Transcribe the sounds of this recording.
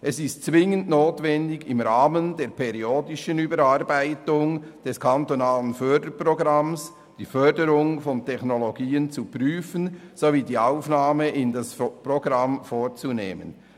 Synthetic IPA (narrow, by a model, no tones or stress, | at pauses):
ʔɛsɪstt͡svɪŋəntnoːtvɛndɪɡɪmɾaːməndeːɾpʰɛɾioːdɪʃənyːbəɾaɾbaɪtʊŋ | d̥ɛskʰantonaːlənfœdəɾproɡɾɑms | d̥iːfœɾdəɾʊŋfɔntʰɛxnoloɡiːənt͡supryːfənzoviːdiːaʊfnaːməʔɪndasproɡɾɑmfoːt͡sunḛːmə̰n